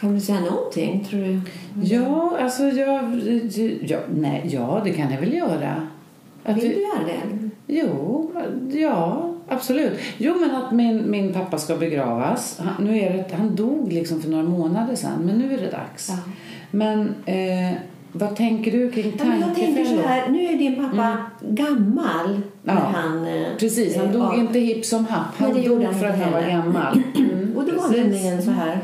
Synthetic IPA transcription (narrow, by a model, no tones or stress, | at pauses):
kʰand̪sɛjːanɔnt̪ʰɪ̰ŋːt̪ʰɾuːɖɵjɑːalsɔjɑː | jɑːnɛjɑːd̪ɛkʰanjavɛljœːɾa̰ | ʔat̪jœːɾad̪ɛ̰juː | jɑːab̥sɔlʉ̟ːt̪ːjuːmɛnat̪mɪnmɪnpʰapːaskabɛɡɾɑ̰ːvashanʉ̟ːæɖɛɦand̪uːɡlɪksɔmfœɳoːɾamoːnad̪əʂɛ̰nːmɛnːʉ̟ːæɖɛ̰d̪a̰ks | mɛn | vat̪ʰɛŋkəɖɵkʰɾɪŋːt̪ʰaŋk̪ʰɛŋkəhæːɾnʉ̟ːæɖɪnpʰapːaɡamːalnɑæːanpʰɾɛsiːshand̪uːɡɪnt̪əhɪpsɔmɦapːhand̪ɛj̪uːɡfœɾat̪hanvaɾɡamːa̰lɔd̪ɛiːɪŋənsɔɦæːɾ